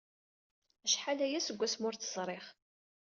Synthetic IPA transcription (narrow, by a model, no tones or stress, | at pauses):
æʃħalæjæsəɡʷːæsmʊɾt͡səz̥ˤɾˤɪχ